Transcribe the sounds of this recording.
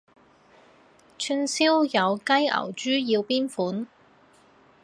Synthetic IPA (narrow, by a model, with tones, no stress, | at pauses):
t͡ʃʰy˥nsi˥wjɐ˨˧wkɐ˥jɐ̰˨˩wt͡ʃyː˥ji˧wpiː˥nfuː˨˥n